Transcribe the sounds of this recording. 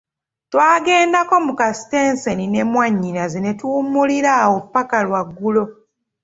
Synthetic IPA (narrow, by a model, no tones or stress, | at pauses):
twaːɡe̞ːndako̞mukasi̥tensenine̞mwaɲːinazinetuːmuliɾawopːakalwaɡːulo̞